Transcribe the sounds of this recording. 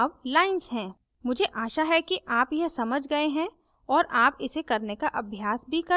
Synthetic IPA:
wlaːɪnzɦɛ̃ː | mʊd͡ʒʱeʔaːʃaɦɛkiʔaːpjɐɦsɐməd͡ʒʱɡɐeɦɛ̃ | ɔːɾʔaːpɪsekɐɾnekaʔɐbʱjaːsbʱikɐ

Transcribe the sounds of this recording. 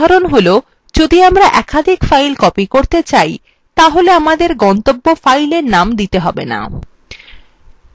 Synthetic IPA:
aɾonɦolo | d͡ʑod̪iamɾaʔɛkad̪ʱikfajlkɔpikoɾt̪et͡ɕaj | t̪aɦoleamad̪eɾɡɔnt̪obːofajleɾnamd̪it̪eɦɔbḛna̰

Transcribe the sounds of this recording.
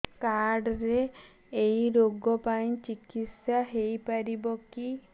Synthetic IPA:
kaɾɖɾeː | jɾoɡɔpaĩt͡ʃikit̪sjaɦejpaɾibɔki

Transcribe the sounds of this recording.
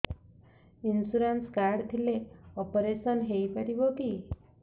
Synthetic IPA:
insuɾanskaɾɖt̪ʰileɔpɔɾesɔnɦejpaɽiboki

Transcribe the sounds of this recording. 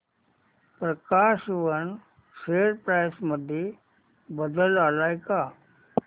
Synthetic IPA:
pɾəkaɕʋəɳ | seɾpɾajsməd̪ʱːje | bəd̪əlalajka

